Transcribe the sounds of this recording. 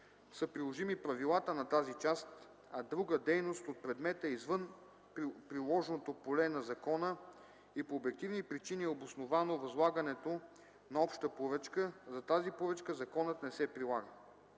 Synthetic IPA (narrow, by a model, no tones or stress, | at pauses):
səpɾilˠoʒimipɾɐvilˠat̪ənɐt̪azit͡ʃast̪ | ɐd̪ɾuɡəd̪ɛjnost̪ot̪̚pɾɛd̪mɛt̪əizvɤn | pɾilˠɔʒnot̪opolɛnɐzɐkɔnə | ipoːbɛk̚t̪ivnipɾit͡ʃiniɛobosnovanovɐzlˠaɡɐnɛt̪o | nɐɔpʃt̪əpoɾət͡ʃkəzɐt̪azipoɾət͡ʃkəzɐkɔnət̪nɛsɛpɾilˠaɡə